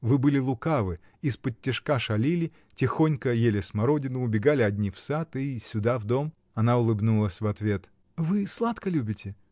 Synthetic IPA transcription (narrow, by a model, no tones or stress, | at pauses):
vɨbɨlʲɪlˠʊkavɨ | ɪspətʲːɪʂkaʂɐlʲilʲɪ | tʲɪxo̞nʲkəjelʲɪsmɐɾo̞dʲɪnʊʊbʲɪɡalʲɪɐdʲnʲifsat̪ɨsʲʊd̪avd̪o̞m | ɐnaʊlˠɨbnulˠəsʲvɐt̪vʲe̞t̪ | vɨslˠat̪kəlʲubʲɪtʲɪ